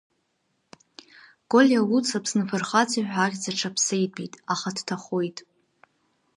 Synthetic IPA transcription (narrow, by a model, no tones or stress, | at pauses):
ɡ̥o̞lʲjawut͡sʰapʰsnɨfɨrχat͡sʰʼiħʷᶣarʲd͡zaʈ͡ʂʰapʰsejdʼbitʼaχadtʰaχojtʼ